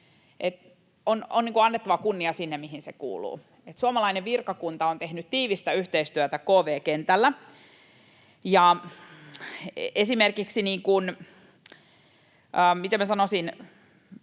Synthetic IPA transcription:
ʔet̪ | ononiːŋkuɑnːet̪ːɑʋɑkunːiɑsinːemmiɦinsekṵːlṵː | et̪suɑmɑlɑineʋʋirkɑkunt̪ɑont̪ehnyt̪tiːʋist̪æyht̪eist̪yøt̪ækoːʋeːkent̪ælːæ | jɑ | esimerkiksiniːŋkun | əːmit̪emæsɑnosin

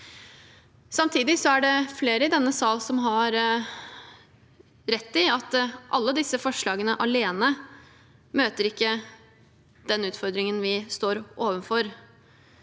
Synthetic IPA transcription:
sɑmt̪ʰiːd̪ɪsɔæɖɛfleːɾəɪd̪ɛnːəsɑːlsɔmɦɑɾ | ɾɛt̪ːɪɑt̪ːʔɑlːəd̪ɪsːəfɔʂɭɑːɡənəʔɑleːnə | møːt̪əɾɪkːə | d̪̥ɛnʉːt̪fɔɾd̪ɾɪŋənʋɪst̪oːɾʔoːʋənfɔɾ

